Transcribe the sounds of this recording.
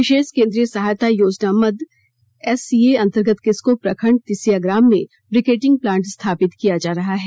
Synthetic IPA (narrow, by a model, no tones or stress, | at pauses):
ʋɪʃeːʃkẽːnd̪ɾijəsɐɦaːjt̪ʰajoːd͡ʒnaməd̪ | ɛsieɐ̃nt̪əɾɡət̪kɪskopɾɐkʰəɳɖ̚t̪ɪsijaɡɾaːmːẽ | bɾɪkeːʈɪ̃ŋɡ̚plãːɳʈst̪ʰaːpɪt̪kijad͡ʒaːɾɐɦaɦɛː